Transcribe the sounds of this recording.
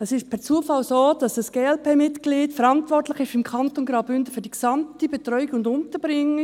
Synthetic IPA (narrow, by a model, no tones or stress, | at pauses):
ɛsɪʃpʰɛɾt͡suəfɑlsoːd̥ɑsd̥ɑsɡ̥eːɛlpʰeːmɪtkliːtfəɾɑntvɔrtlɪχɪʃɪmkʰɑntonɡɾaʊbʏndəfyːdiksɑmtibetɾʁœʏɪkʊndʊntəbɾɪŋːə